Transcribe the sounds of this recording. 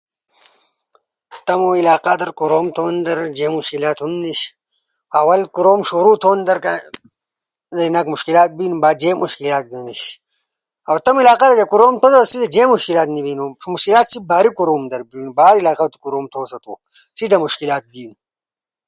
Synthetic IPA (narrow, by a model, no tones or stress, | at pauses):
t̪ɐmoilaːqad̪ɐɾkuɾoːmt̪ʰoːnd̪ɐɾd͡ʑeːmuʃkilaːt̪hunniɕ | ɐwɐlkuɾoːmʃoːɾut̪ʰoːnd̪ɐɾka | zɐinakmuʃkilaːt̪̚binubaːd̪̚d͡ʑeːmuʃkilaːt̪̚d̪iniɕ | ɐwt̪ɐmilaːqaɾɐɡɐkuɾoːmt̪ʰod̪ɐsid̪ɐd͡ʑeːmuʃkilaːt̪nibiːnumuʃkilaːt̪sibaːɾikuɾoːmd̪ɐɾbinubaːɾilaːqat̪u̥kuɾoːmt̪ʰoːsɐt̪ṵː | sid̪ɐmuʃkilaːt̪̚biːn